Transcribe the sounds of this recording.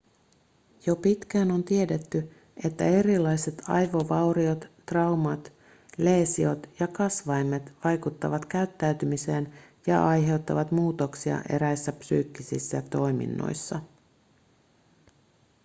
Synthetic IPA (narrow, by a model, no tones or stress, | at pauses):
jo̞pit̪kæːno̞nt̪ie̞de̞t̪ːy | e̞t̪ːæ̰e̞ɾilːɑjse̞t̪ʰɑ̰jʋo̞ʋɑwɾio̞t̪ːrɑwmɑt̪ | le̞ːsio̞t̪jɑkɑsʋɑjmːet̪ʋɑjkut̪ːɑʋɑt̪kæyt̪ːæyt̪ymise̞ːnjɑ̰ʔɑjɦe̞wt̪ːɑʋɑt̪muːt̪o̞ksiɑ̰ʔe̞̰ɾæjsːæpsy̰ːkːisḭsːæt̪o̞jmḭnːo̰jsːɑ